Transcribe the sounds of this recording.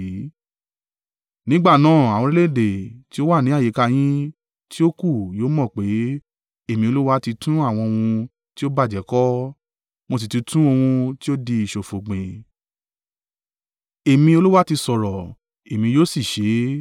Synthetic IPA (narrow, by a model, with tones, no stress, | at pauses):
nĩ˦ɡ͡ba˦˨nãː˦˨a˨w̃ɔ̃˧ɾi˦le˦˨de˨ti˦o˦wa˦˨nĩ˨˦a˦˨je˨˦ka˧j̃ĩ˦ | ti˦o˦ku˦˨joː˨˦mɔ̃˦˨k͡pe˨˦ | e˦˨mĩ˧o˧lu˦wa˦ti˧tʰũ˦a˦˨w̃ɔ̃˧o˧wũ˧ | ti˦o˦ba˦˨d͡ʒɛ˨˦kɔ˦ | mo˧s̬i˨ti˧tũ˦o˧wũ˧ti˦o˦di˧i˨ʃo˨fo˨ɡ͡bẽ˨ | e˨mĩ˧o˧lu˦wa˦ti˧sɔ˨ɾɔ˨ | e˨mĩ˧joː˦˨si˦˨ʃe˨˦